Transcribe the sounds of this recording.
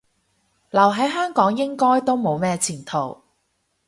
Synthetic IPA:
lɐ˨˩wɦɐ˨˥jɦœː˥ŋkɔː˨˥ŋjɪ˥ŋkɔː˥jt̪o˥wmo˨˧wmɛː˥t͡sʰiː˨˩nt̪ʰo˨˩w

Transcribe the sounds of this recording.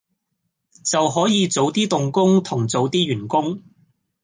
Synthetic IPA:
t͡sɐ˨wɦɔː˨˥jiː˨˧t͡so˨˧˥wt̪iː˥t̪ʊ˨ŋkʊ˥ŋt̪ʰʊ˨˩ŋt͡so˨˧˥wt̪iː˥ɥyː˨˩nkʊ˥ŋ

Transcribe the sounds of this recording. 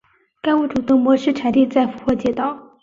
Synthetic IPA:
knwu˥˩ʈ͡ʂu˨˩t̪ɤ˥˩ŋmwɔ˧˥ʂɻ̩˥ʈ͡ʂʰa˨˩nt̪i˥˧t͡sa˥˩ɪfu˧˥xwɔ˥˩t͡ɕjɛ˥˧t̪ɑ˥˩ʊ

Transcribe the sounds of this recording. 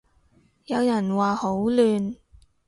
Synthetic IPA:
jɐ˨˧wjɐ˨˩nwaː˨ho˨˥wlyː˨n

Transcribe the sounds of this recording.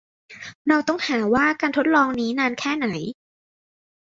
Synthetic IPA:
ɾa˧wt̪ɔ˥˩ŋhaː˩˦waː˥˩kaː˧nt̪ʰo˦˥t̪̚lɔː˧ŋniː˦˥naː˧nkʰɛː˥˩na˩˦j

